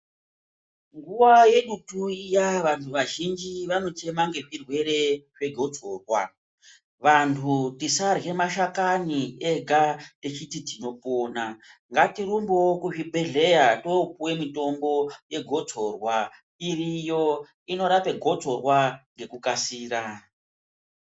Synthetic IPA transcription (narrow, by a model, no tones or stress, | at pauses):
ŋɡuʋaje̞ɗutujaʋantʰuʋaʒind͡ʒiʋano̞t͡ʃe̞maŋɡe̞ʐirwe̞ɾe̞ʐ̥e̞ɡʱo̞t͡so̞rwa̰ | ʋantʰutisarɣe̞maʃakanieɡʱatet͡ʃititino̞poːnaŋɡatiɾumbokuʐibʱe̞ɮe̞jatopuwe̞mito̞mbo̞je̞ɡʱo̞d͡zo̞rwa | irijo̞ | ino̞ɾape̞ɡʱo̞d͡zo̞rwaŋɡe̞kukasiːɾa